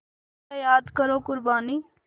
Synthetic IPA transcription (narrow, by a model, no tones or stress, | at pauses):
ejaːd̪kəɾoːkʊɾbaːniː